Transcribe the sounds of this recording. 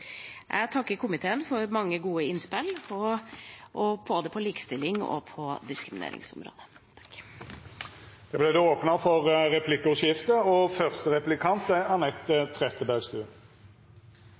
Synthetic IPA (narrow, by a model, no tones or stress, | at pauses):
ʔæ̰t̪ʰɑkːəɾkʰʊmɪt̪ʰeːənfɔɾmɑŋːəɡuːəɪnːspɪlɔ | ʔɔb̥oːd̪əpʰɔliːkə̥st̪ɪlːɪŋɔ̰pʰɔd̪ɪskɾɪmɪnḛːɾɪ̰ŋsɔ̰mɾo̰ːd̪ə | t̪ʰk | d̪̥ɛblɛd̪ɛoːpnəfɔʁɾɛpʰlɪkːʊʂɪft̪əɔfœʁst̪əʁɛplɪkʰɑnt̪əɑʁnɛt̪ːət̪ʰːʁɛt̪əbæɡst̪ʉː